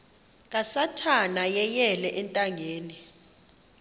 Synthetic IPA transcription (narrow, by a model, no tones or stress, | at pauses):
k̬ʼasatʰanajɛjɛlɛʔɛntʼaŋeːni